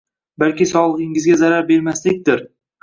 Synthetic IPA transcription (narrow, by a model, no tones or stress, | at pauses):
balkʲɪsɒlˠəʁɨɪŋɪzɡʲazaɾaɾbe̞ɾmaslɪk̚ʲd̪ɪɾ